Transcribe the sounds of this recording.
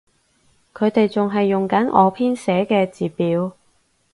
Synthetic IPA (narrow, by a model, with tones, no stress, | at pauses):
kʰɵ˨˧ɥt̪e˨jt͡sʊ˨ŋɦɐ˨jːʊ˨ŋkɐ˨˥nʔɔ̰ː˨˧pʰiː˥nsɛː˨˧˥kɛː˧t͡siː˨˩piː˨˥w